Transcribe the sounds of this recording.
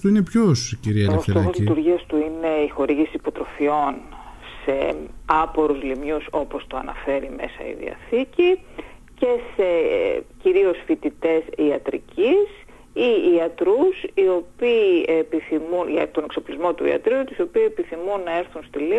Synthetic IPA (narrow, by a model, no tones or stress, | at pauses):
t̪uinepçosciɾiɐost̪oɐzlit̪uɾʝiɐst̪uine̞ixo̞ɾiʝisisːpo̞t̪ɾo̞fio̞n | se̞ɐpo̞ɾuzlimɲuso̞po̞st̪oɐnɐ̰fe̞ɾime̞sɐ̰ḭðḭɐ̰θici | ce̞se̞ciɾio̞sfit̪it̪e̞siɐt̪ɾḭcis | iːɐt̪ɾusio̞piːepiθimunʝɐt̪o̞nekso̞plizmo̞t̪uḭɐ̰t̪ɾiut̪iso̞piːsepiθimunːɐe̞ɾθunst̪ili